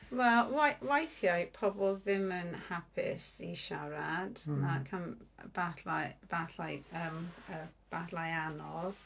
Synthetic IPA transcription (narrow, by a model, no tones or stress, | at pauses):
wɛlˠwawajθjajpʰɔbɔlˠðɪmənhapʰɪ̰siʃaɾad̥nakʰanb̥aθlab̥aθajəməb̥aθlajanɔð̥